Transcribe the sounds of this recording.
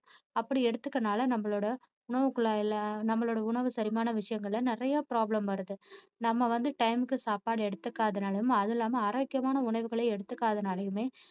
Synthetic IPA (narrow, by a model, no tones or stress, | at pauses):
ɐpːɐɽiɛɽɯt̪ːɯkːɐnaːlɐnɐmːɐɭoːɽɐ | ʊɳɐʋɯkːɯɭalnɐmːɐɭoːɽɐʊɳɐʋɯsɐɾɪmaːnɐʋɪʂɐjɐŋɡɐɭlɐnɪrɐjaːpɾaːblɐmʋɐɾɐðɯ | nɐmːɐʋɐnd̪ɯʈɐɪmɯkːɯsaːpːaːɽɯɛɽɯt̪ːɯkːaːðɐnaːlɐjɯmɐðɪlːaːmɐaːɾoːkːɪjɐmaːnɐʊɳɐɾʋɯɣɐɭeːɛɽɯt̪ːɯkːaːðɐnaːɭɐjɯmeː